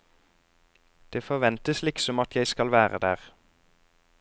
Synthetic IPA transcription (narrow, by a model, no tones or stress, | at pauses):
d̪̥eːfɔʋɛnt̪əslɪksɔmɑt̪jæɪskɑlʋæːʁə̰d̪æːʁ